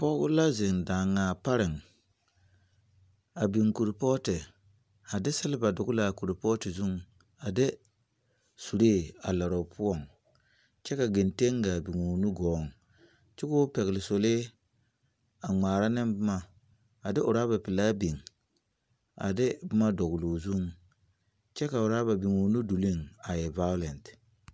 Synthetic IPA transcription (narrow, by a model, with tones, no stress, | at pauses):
pɔ˦ɡʊ˦la˦zɪ˨ŋdaː˨ŋaː˨pa˦ɾɪ˨ŋ | a˨bi˨ŋku˨ɾpɔː˦tɪ˨ | a˨dɪ˦sɪ˦lɪ˦ba˨dʊ˨ɡʊ˦la˨ku˨ɾɪ˨pɔ˦tɪ˨zu˦ŋ | a˨dɪ˦ | su˨ɾeː˦˨a˨la˨ɾɔ˨pʰʊ˦ɔ˨ŋ | t͡ʃɛ˦ka˨ɡɪ˨nte˦ŋɡa˨bi˨ŋu˨nu˦ɡɔː˨˦ŋ | t͡ʃɪ˦kʊ˦pɛ˨ɣɪ˨lɪ˨so˨le˦ | a˨ŋ͡maː˨ɾa˦nɪ˦mbʊ˦ma˨ | a˨dɪ˦ʔʊ˨ɾaː˦ba˨pɪ˨laː˦bi˨ŋ | a̰˨dɪ˦bʊ˦ma˦dɔ˨ɡloː˨zu˦ŋ | t͡ʃɛ˦ka˨ʊ˨ɾaː˦ba˨bi˨ŋo˨nu˦du˨li˦˨ŋa˨jɛ˨va˦jʊ˦lɛ˨nt